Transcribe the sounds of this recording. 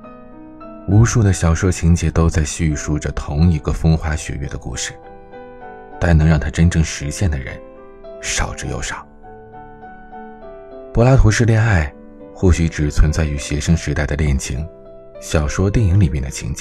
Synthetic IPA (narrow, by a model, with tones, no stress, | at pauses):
u˧˥ʂu˥˩d̪ə˩ɕjɑ˨˩ʊʂwɔ˥t͡ɕʰi˧˥ŋt͡ɕɛ˧˥t̪o˥ʊt͡sa˥˧ɪɕy˥˧ʂu˥˩ʈ͡ʂə˨t̪ʰʊ˧˥ŋi˧˥ɡə˧fɤ˥ŋxwa˥ɕɥɛ̰˨˩ɥɛ̰˥˩d̪ə˨kṵ˥˩ʂɻ̩̥˩ | t̪a˥˩nɤ˧˥ŋɻɑ˥˩ŋt̪ʰa˥ʈ͡ʂə˥nʈ͡ʂɤ˥˩ŋʂɻ̩˧˥ɕjɛ˥˩nd̪ə˩ɻə̰˧˥n | ʂɑ˨˩ʊʈ͡ʂɻ̩˧˥jo̰˥˧˩ʊʂɑ˨˩˦ | pɔ˧˥la˥t̪ʰu˧˥ʂɻ̩˥˧ljɛ˥˧na˥˩˧ɪ | xɔ˥˩ɕy˧˥ʈ͡ʂɻ̩˨˩t͡sʰwə˧˥nt͡sa˥˩ɪy˧˥ɕɥɛ˧˥ʂɤ˥ŋʂɻ̩˧˥t̪a˥˩ɪd̪ə˩ljɛ˥˩nt͡ɕʰḭ˧˥ŋ | ɕjɑ˨˩ʊʂwɔ˥t̪jɛ˥˩ŋi˧˥ŋli˨˩mjɛ˥˩nd̪ə˩t͡ɕʰḭ˧˥ŋt͡ɕɛ˧˥